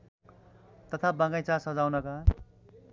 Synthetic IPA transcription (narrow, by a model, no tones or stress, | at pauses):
t̪ʌt̪ʰabaŋɡʌjt͡sʰasʌd͡zawnʌka